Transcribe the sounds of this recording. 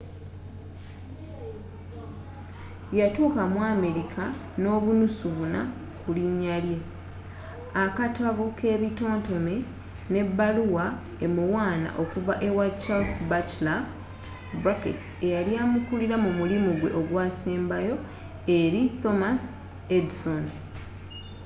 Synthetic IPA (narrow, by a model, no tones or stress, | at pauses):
jatuːkamwaːme̞ɾikʰa | no̞ːβunusuβuna̰ | kuliɲːalje̞ | akataβuke̞ːβito̞ːnto̞me̞ | ne̞bːaluwa | e̞muwaːna̰ʔo̞kuvaʔe̞wadt͡ʃalsbat͡ʃla | bɾakḛte̞jaljamukuliɾamumulimuɡwe̞̰ʔo̞ɡwaːseːmbajo̞ | e̞ɾito̞mas | edso̞n